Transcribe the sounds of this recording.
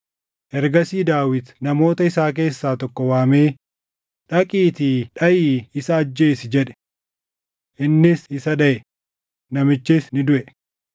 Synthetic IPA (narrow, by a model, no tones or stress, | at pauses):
ʔɛɾɡɐsiːd̪aːwɪd̪nɐmo̞ːt̪ɐɪsaːk̬e̞ːsːaːt̪ɔkːɔwaːme̞ː | ᶑɐkʼiːt̪iːᶑɐʔiːɪsɐːd͡ʒːe̞ːsɪd͡ʒɛᶑɛ̥ | ʔɪnːɪsɪsɐᶑɐʔɛ | nɐmɪt͡ʃːɪsnɪd̪ʊʔɛ